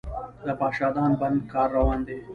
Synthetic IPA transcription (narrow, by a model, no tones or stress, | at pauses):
d̪əpɑːʃɑːd̪ɑːnbɐnd̪kɑːɾːɐwɑːnd̪e